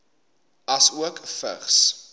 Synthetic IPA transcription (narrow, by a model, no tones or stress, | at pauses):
ɐsuəkfə̰χs